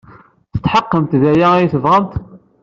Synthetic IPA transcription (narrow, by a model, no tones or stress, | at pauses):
θə̥t̪ːħəqːəmt̪ðæjæijθəvʁəmt̪